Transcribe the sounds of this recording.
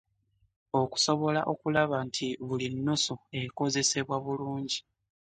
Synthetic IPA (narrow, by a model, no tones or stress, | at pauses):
o̞ku̥so̞βo̞laʔo̞kulaβantʰiβulinːusue̞ko̞ze̞se̞βwaβuluːɲɟi